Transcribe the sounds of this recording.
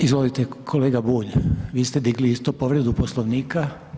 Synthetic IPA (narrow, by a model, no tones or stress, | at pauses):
izʋolit̪ekʰoleːɡabuːʎʋiːst̪ed̪iɡliist̪opo̞ʋɾed̪uposloʋniːka